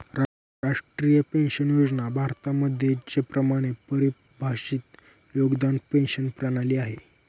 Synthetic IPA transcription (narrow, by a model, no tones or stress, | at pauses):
ɾa | ɾaʂʈɾijəpenɕənjod͡znabʱaɾt̪aməd̪ʱjet͡ɕepɾəmaɽ̃epəɾi | bʱaɕiːt̪ | joɡd̪anpenɕənpɾaɽ̃aliːaɦe